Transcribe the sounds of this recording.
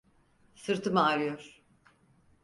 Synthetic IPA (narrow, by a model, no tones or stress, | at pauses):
sɯɾt̪ʰɯmaːɾɯjoɾ̥